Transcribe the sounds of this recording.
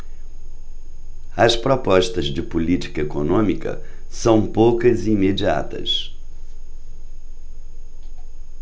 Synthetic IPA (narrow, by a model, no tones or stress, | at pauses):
ɐspɾɔpɔʃt̪ɐzd͡ʒɪpulit͡ʃi̥kɐekonõmikɐ̰ | sɐ̃w̃powkɐzɪimed͡ʒia̰t̪ɐ̰s